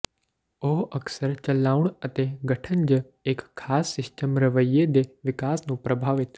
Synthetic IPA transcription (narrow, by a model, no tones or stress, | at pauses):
oːɦɐksəɾt͡ʃɐlːaːʊɳ̃ɐt̪eɡɐʈʰənd͡ʒə | ekʰːaːsːɪsʈəmɾɐʋəjed̪eʋɪkaːsnũpɾɐbʱaːʋɪt̪